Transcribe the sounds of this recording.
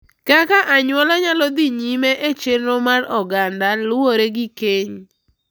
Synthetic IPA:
kakaʔaɲwɔlɔɲalɔd̪iɲimeʔet͡ʃelnomarɔɡandalʊoɾeɡɪkeɲ

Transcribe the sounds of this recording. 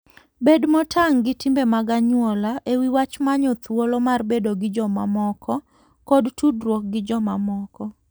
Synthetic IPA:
bedmɔtʰaŋɡɪtimbemaɡaɲwɔlaʔewiwat͡ʃmaɲɔt̪wolomarbedoɡɪd͡ʒɔma̰mɔkʰɔ | kodtudrwok̚ɡɪd͡ʒɔmamɔkɔ

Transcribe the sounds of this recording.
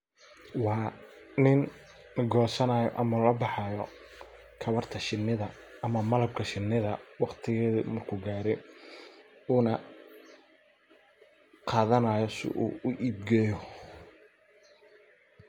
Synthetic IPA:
wɑː | nɪn | ɡɔːsɐnaːjɔ̰ʔɐmɐlɔbɑħɑjɔ | kʰɐβɐrt̪ʰɐʃɪnːɪðɐː | mɐmɐlɐb̚kʰɐʃɪnːɪðɐwɑqt̪ʰɪɣɛːðmɐrkʰʊɡaːɾɛj | uːnɐ | qɑːðɐnaːjɔsɪ̰ʔṵːʊʔiːbɡɛːjɔ

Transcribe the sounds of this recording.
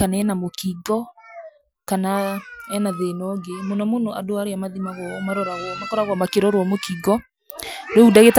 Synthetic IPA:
kanaɛnamokiɡɔ | kanaɛnaðenɔɡemonɔmonoʔadoaɾeamaðimaɣɔmaɾɔɾaɣɔnakɔɾaɣɔmakeɾɔɾwɔmokiɡɔ | doudaɣet

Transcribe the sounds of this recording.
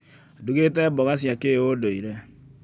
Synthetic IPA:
duɡetɛbɔɣas̬iakewodoiɾɛ

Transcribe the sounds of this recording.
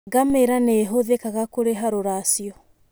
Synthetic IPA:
ɡameɾaneɦoðekaɣakoɾeɦaɾoɾasiɔ

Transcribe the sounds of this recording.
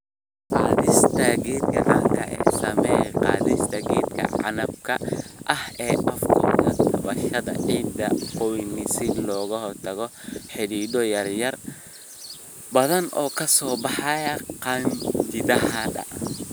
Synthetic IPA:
qɑːðɪst̪ʰɐɡɛːd̪̚ɡɐʕaːŋkʰɐʔɛ̰ːsɐmɛjqɑ̰ːðɪst̪ʰɐɡɛːd̪kʰɐ̰ʕɑ̰nɐb̚kʰɐʔɐhɛːʔɐfkʰɔkʰɐd̪ɐβɐʃɐðɐ̰ʕiːd̪ɐqɔwɪnɪsɪlɔːɣɐhɔrt̪ʰɐɣɔħɪɽiːd̪ɔjɐrjɐr | bɐðɐnɔːkʰɐsɔːbɑħɑjɐqɑd͡ʒɪd̪ɐɦɐdɐ̰

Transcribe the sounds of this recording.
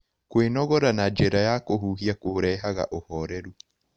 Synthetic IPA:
kwenɔɣɔɾanad͡ʒeɾajakoɦuːɦiakoɾɛːɦaɣa̰ʔohɔɾɛɾu

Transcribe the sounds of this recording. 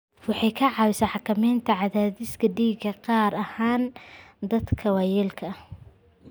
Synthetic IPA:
wɑħɑjkʰɐʕɑːwɪsɐħɑkʰɐmɛjnt̪ʰɐʕɑðaːðɪskʰɐɖiːɡɐqɑːɾɐhaːnd̪ɐd̪kʰɐwɑjɛlkʰɐ

